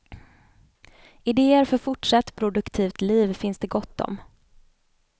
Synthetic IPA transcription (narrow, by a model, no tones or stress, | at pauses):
ɪd̪eːəɾfœɾfʊʈʂat̪ːpʰɾʊd̪ɵkt̪ʰiːft̪liːvfɪnsd̪ɛɡɔt̪ːɔ̰m